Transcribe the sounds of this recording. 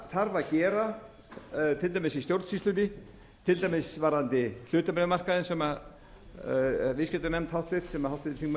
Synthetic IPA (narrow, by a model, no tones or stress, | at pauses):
θaɾvaɾcɛːɾa | t̪ʰɪlt̪ajmɪsist̪jowɾt̪sist̪ʏnɪ | t̪ʰɪlt̪ajmɪsvaɾant̪ɪl̥ʏːt̪amɛnmar̥kaðɪnsɛma | vɪscɛt̪anɛmt̪hawht̪vɪt̪sɛmahawt̪ɪɪt̪θʰiŋm